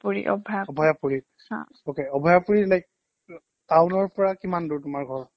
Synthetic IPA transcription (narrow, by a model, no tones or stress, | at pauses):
puɹḭʔɔ̰bʱɔjaɔbʱɔjapuɹi | hã̰ | okeɔbʱɔjapuɹilajk̚ | tawnɔɹpɔɹakimanduɹtʊmaɹɡʱɔɹ